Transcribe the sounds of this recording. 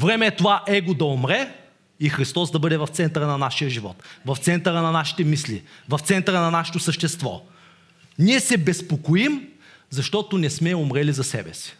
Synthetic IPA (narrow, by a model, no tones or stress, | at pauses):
vɾɛmɛːt̪ovaʔɛɡod̪ɐomɾɛ | ixɾist̪ɔsd̪ɐbɤd̪ɛvɐft̪sɛnt̪əɾənɐnaʃijəʒivɔ̰t̪vɐft̪sɛnt̪əɾənɐnaʃi̥t̪ɛmislḭvɐft̪sɛnt̪əɾənɐnaʃɛ̥t̪osəʃt̪ɛst̪vɔ̰ | niɛsɛbɛspokoim | zɐʃt̪ɔt̪onɛsmɛomɾɛlizɐsɛ̰bɛ̰si̥